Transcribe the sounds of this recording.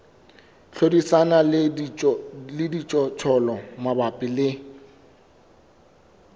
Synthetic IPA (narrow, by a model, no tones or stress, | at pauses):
ɬʰodisana | lɪdit͡ʃʼɔt͡ʃʰɔlɔmabapʼɪlɪ